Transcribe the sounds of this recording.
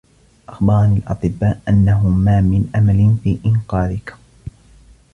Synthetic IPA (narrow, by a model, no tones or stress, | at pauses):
ʔaxbɑɾˤɑnilʔɑ̰t̪ˤɨbːaːʔʔanːaɦʊmaːmɪnʔamalɪnfiːʔɪnqɑːðɪk